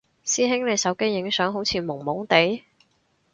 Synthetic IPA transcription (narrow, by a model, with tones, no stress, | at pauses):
siː˥ɦɪ˥ŋle˨˧jsɐ˨˥wke˥jːɪ˨˥ŋsœː˨˥ŋɦo˨˥wt͡sʰiː˧mʊ˨˩ŋmʊ˨˥ŋt̪e˨˥j